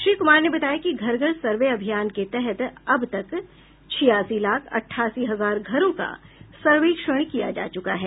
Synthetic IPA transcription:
ʃɾiːkʊmaːɾnebɐt̪aːjakiɡʱɐɾɡəɽsɐɾʋeɐbʱijaːnket̪ɛɦɛt̪ɐbt̪ɐk | t͡ʃʰɪjaːsilaːkʰɐ̰ʈʰːaːsiɦɐzaːɾɡʱɐɾõka̰sɐɾʋeːkʃəɽ̃kija̰d͡ʒa̰ːt͡ʃʊkaɦɛː

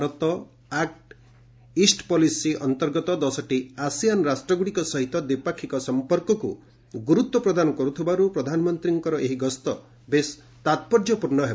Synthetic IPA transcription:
bɾɔt̪ɔ | ak̚ʈ | isʈpɔlisiʔɔnt̪ɔɾɡɔt̪ɔd̪ɔsɔʈiasijanɾasʈɾɔɡuɽikɔsɔɦit̪ɔd̪ipakʰːikɔsɔmpɔɾkɔkṵ | ɡuɾut̪wɔpɾɔd̪anɔkɔɾut̪ʰibaɾupɾɔd̪ʱanɔmɔnt̪ɾiŋkɔɾɔʔeɦiɡɔst̪ɔ | bes | t̪at̪̚pɔɾd͡ʒɔpuɾnɔɦe

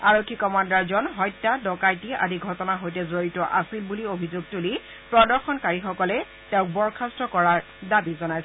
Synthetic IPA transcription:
aɹokʰːikɔmandaɹzɔnɦɔjtːadɔkajtia̰diɡʱɔtɔnaɦojtɛzoɹitɔʔasilbuliobʱizoɡ̚tuli | pɹɔdɔɹxɔnkaɹixɔkɔlɛ | tɛʊ̃k̚bɔɹkʰastɹɔkɔɹaɹ | dabizɔnajsɛ

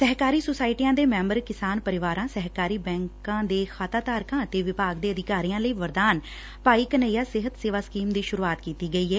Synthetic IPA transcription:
səɦkaːɾiːsoːsaːɪiʈiːjãːd̪eːmɛ̃ːmbəɾkɪsaːnpəɾɪʋaːɾãːsəɦkaːɾiːbɛ̃ːŋkãːd̪eːxʰaːt̪aːt̪aːɾkãːət̪eːʋɪpaːɡd̪eːəd̪ɪkaːɾiːjãːləiːʋəɾd̪aːn | paːiːkəneːjaːsɪɦət̪seːʋaːskiːmd̪iːʃʊɾuːaːt̪kiːt̪iːɡəiːɦɛː

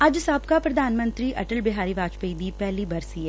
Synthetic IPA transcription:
ɐd͡ʒsaːbkapɾɐd̪ʱaːnmə̃nt̪ɾiʔɐʈəlbɪɦaːɾiʋaːt͡ʃpeid̪ipɛɦlibɐɾsiɦɛ

